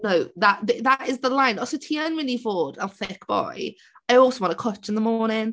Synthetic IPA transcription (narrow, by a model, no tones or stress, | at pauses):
noʊðəʔðɪðəʔɪzðəlãɪ̃nəsəʊtʰiə̃nɹɪ̃nifɔːdə̃nθɪk̚b̥ɔ̰ɪ | aɪɔˑlˠsəʊwɑ̃nəkʰʌt͡ʃɪ̃nðəmɔːnɪ̃ŋ